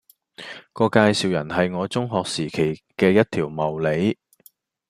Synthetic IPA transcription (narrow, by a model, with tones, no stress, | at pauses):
kɔː˧kaː˧jsiː˨wjɐ˨˩nɦɐ˨jŋɔː˨˧t͡sʊ˥ŋɦɔː˨k̚siː˨˩kʰe˨˩jkɛː˧jɐ˥t̚t̪ʰiː˨˩wmɐ˨˩wle˨˥j